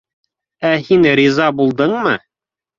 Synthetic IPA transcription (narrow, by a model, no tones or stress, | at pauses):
æhinɾizɑbulˠd̪ɤɴmɤ